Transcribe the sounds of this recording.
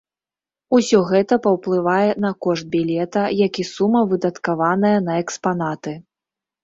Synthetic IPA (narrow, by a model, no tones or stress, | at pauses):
usʲɔɣɛt̪ɐpɐwplˠɨvajɛnɐkɔʂt̪̚bʲilʲɛt̪ɐjakʲisumːɐvɨd̪ɐt̪kavanɐjɐnɐɛkspanat̪ɨ